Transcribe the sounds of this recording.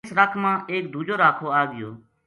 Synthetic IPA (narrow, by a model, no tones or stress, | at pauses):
sɾəkʰmãːʔeːk̚d̪ʱuːd͡ʒoːɾaːkʰoːaːɡɪjo̰ː